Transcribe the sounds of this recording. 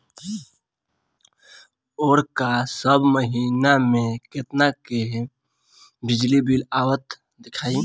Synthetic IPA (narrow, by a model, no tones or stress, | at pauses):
oːɾkasəbʱməɦiːnamẽket̪nake | bɪd͡ʒlibilaːwət̪ | d̪ɪkʰaːi